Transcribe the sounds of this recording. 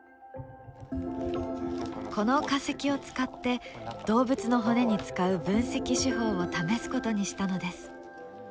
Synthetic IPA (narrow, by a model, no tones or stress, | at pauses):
kʰo̞no̞kase̞kʲio̞t͡sɨ̥kat̪ːe̞d̪̥o̞ːbɯt͡sɨno̞ɦo̞ne̞ɲ̟it͡sɨ̥kaɯ̟bɯ̟̃ɰ̃se̞kʲiɕiɦo̞ːot̪ame̞sɨ̥ko̞t̪o̞ɲ̟iɕi̥t̪ano̞d̪e̞sɨ̥